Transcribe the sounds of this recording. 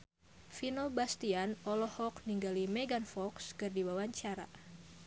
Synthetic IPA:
finobast̪ianɔlɔhɔkniŋɡalimeɡanfɔkskɨrdiwawaɲt͡ʃaɾa̰

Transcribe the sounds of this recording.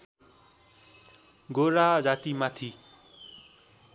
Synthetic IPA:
ɡoɾad͡zat̪imat̪ʰi

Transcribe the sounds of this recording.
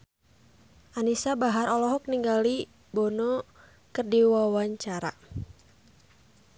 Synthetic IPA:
ʔanisabaɦaɾɔlɔɦɔk̚niŋɡali | bɔnɔ | kərdiwawaɲt͡ʃaɾa̰

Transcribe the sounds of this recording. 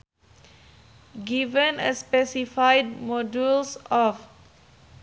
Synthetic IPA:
ɡivə̃nə̰spɛsifajd̚mɔdulsɔf

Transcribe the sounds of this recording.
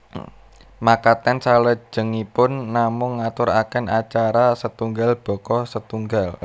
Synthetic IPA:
makat̪ɛnsalə̥d͡ʒʒ̥ə̤ŋipʊnːamʊŋːat̪ʊɾakɛnat͡ʃaɾasət̪uŋɡalb̥ɔ̤kɔsət̪uŋɡal

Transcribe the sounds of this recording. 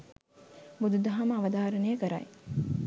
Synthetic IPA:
bud̪ud̪ɐɦɐməːʋɐd̪aːɾənəjəkəɾaj

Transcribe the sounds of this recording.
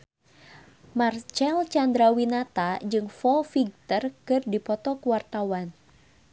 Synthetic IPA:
mart͡ʃɛlt͡ʃand̪ɾawinat̪ad͡ʒɨŋfɔfiɡ̚t̪ərkɨrdipɔt̪ɔkuwart̪awan

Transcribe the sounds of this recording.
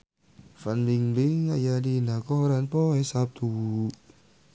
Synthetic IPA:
fanliŋliŋajadinakɔhɔɾanpɔɛsap̚t̪ʰu

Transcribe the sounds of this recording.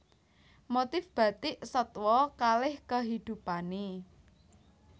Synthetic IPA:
mot̪ɪfb̥a̤t̪ɪʔsət̪wɔkalɪhkəɦid̪̥ṳpane

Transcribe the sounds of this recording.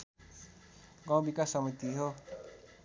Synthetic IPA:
ɡãw̃bikasʌmut̪iɦo

